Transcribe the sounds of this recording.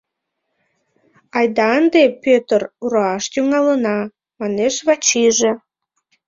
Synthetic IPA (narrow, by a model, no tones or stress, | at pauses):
ɑjd̪ɑnd̪epøt̪əruɾoɑʃt̪yŋɑlənɑ | mɑneʃβɑt͡ɕiʒe